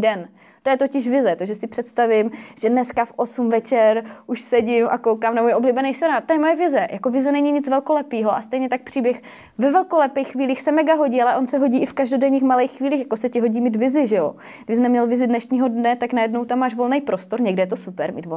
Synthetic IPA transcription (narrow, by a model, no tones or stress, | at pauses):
dɛn | t̪ojɛt̪ocɪʃvɪzɛt̪oʒɛsɪpr̝̥ɛt̪st̪avɪmʒ̥ɛdnɛskafʔo̞sumvɛt͡ʃɛɾʔuʃsɛɟɪmʔa̰kowkaːmnamujʔobliːbɛnɛjsɛɾaːt̪ojɛmo̞jɛvɪzɛjako̞vɪzɛnɛɲiɲɪt͡svɛlkolɛpiːɦo̞ʔa̰st̪ɛjɲɛt̪ak̚pr̥iːbjɛx | vɛvɛlkolɛpɛjxːviːliːxsɛmɛɡaɦo̞ɟiːalɛʔo̞nsɛɦo̞ɟiːʔɪfkaʒdo̞dɛɲiːxmalejxxːviːliːxjḁkosɛcɪɦo̞ɟiːmiːt̪vɪzɪʒɛjo̰ | ɡvɪsnɛmɲɛlvɪzɪdnɛʃɲiːɦo̞dnɛt̪aknajɛdnowt̪amːaːʃvo̞lnɛjpɾost̪o̞ɾɲɛɡdɛjɛt̪o̞supɛɾmḭːt̪v